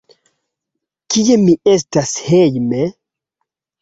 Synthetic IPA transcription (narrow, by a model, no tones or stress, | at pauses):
kiemiestashejme